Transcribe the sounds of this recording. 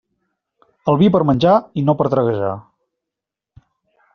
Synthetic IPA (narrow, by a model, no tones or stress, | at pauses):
əlˠβip̬əɾmənʲd͡ʒainopəɾt̪ɾəɣəʒa̰